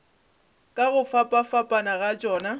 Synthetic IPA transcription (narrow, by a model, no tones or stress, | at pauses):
kʼaɣʊfapʼafapʼanaɣat͡ʃʼɔːna